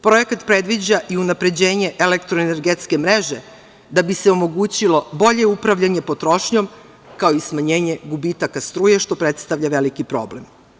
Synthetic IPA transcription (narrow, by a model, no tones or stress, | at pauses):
pɾo̞je̞kat̪pɾe̞d̪ʋid͡ʑaʔiunapɾe̞d͡ʑe̞ːɲe̞ʔelekt̪ɾoeneɾɡet̪ske̞mɾe̞ʒe̞ | d̪abise̞o̞mo̞ɡuːt͡ɕilo̞bo̞ʎe̞upɾaʋʎaɲe̞po̞t̪ɾo̞ʃɲo̞m | kao̞ismaɲe̞ːɲe̞ɡubit̪akast̪ɾuːjeʃt̪o̞pɾe̞t̪st̪aʋʎaʋe̞likipɾo̞̰ːblem